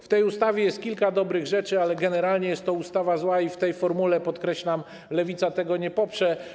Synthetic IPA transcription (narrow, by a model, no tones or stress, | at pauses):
ft̪ɛjust̪avʲjɛjɛst̪̚kʲilkad̪ɔbɾɘɣʐɛt͡ʂɘalɛɡɛnɛɾalɲɛjɛst̪t̪ːɔust̪avazwaift̪ɛjfɔɾmulɛpɔt̪kɾɛɕlam | lɛvʲit̪sat̪ɛɡɔɲɛpɔpʂɛ